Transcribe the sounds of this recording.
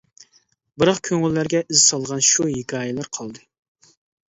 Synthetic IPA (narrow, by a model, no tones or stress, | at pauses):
bɨɾɑχkʲʰøŋylːæɾɡʲɛʔizsɑlˠʁɑnʃuɦiɡʲɑːjɛlæɾqʰɑlˠd̪ɨ